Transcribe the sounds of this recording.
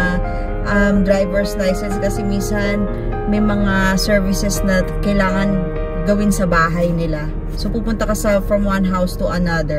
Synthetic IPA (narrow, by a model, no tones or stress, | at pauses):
ʔɐmd̪ɹajvɛɹslajsɛnskɐsɛminsɐn | mɐjmɐŋasɛɹvɪsɛsnɐkɐjlaːŋɐn | ɡɐwɪnsɐbaːɦɐjnɪla | sopumpʊnt̪ɐkɐsɐfɹɐmwanɦawst̪ʊʔɐnɐd̪ɛ